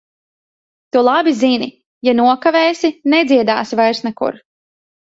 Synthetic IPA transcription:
t̪ulˠabizinʲi | januɔkavɛːsinɛd̪zʲiɛd̪a̰ːsivajɾsnɛkṵɾ

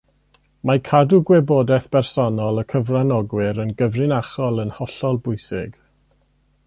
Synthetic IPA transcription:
makʰaduɡwɛboːdɛθbɛrsɔnɔlˠəkʰəvranɔɡwɪɾənɡəvrɪnaχɔlˠənhɔɬɔlˠbʊjsɪɡ

